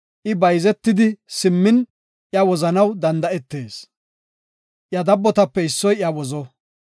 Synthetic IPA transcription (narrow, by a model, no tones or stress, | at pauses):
ʔɪbɐjzɛt̪ːɪd̪ɪsɪmːɪn | ʔjɐwɔzɐnɐwd̪ɐnd̪ɐɛt̪ːe̞ːs | ʔjɐd̪ɐbːɔt̪ɐpːɛɪsːɔjjɐwɔzɔ